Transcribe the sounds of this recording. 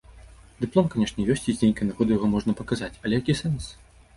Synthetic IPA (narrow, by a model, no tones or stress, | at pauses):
d̪ɨplˠɔmkanʲɛʂnʲɛjɔsʲt͡sʲizʲnʲejʲkɐnaɣɔd̪ɨjaɣɔmɔʐnɐpɐkazat͡sʲɐlʲɛjakʲisɛns